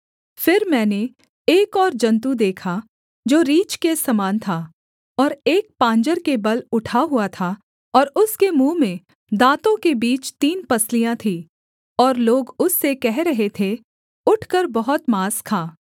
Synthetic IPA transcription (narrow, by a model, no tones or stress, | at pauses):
fɪɾmɛ̃ːne | eːkɔːɾd͡ʒɐ̃nt̪ud̪eːkʰa | d͡ʒoːɾiːt͡ʃkesɐmaːnt̪ʰaː | ɔːɾeːk̚pãːɲd͡ʒəɾkebɐlʊʈʰaɦuat̪ʰa | ɔːɾʊskemũːmẽ | d̪aːt̪õkebiːt͡ʃt̪iːnpɐslijãt̪ʰiː | ɔːɾloːɡʊsːekɛɦɾɐɦet̪ʰe | ʊʈʰkəɾbɐɦʊt̪maːskʰaː